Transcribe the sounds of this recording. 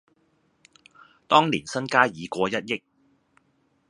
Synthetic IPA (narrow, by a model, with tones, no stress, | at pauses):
t̪ɔː˥ŋliː˨˩nsɐ˥nkaː˥jiː˨˧kʷɔː˧jɐ˦˥t̚jɪ˥k̚